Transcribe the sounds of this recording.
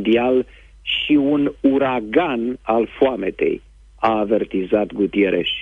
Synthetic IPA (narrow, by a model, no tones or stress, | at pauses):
d̪ial | ʃiunuɾaɡanalfoame̞t̪e̞̰j | aːve̞rt̪izat̪ɡut̪ieɾeʃ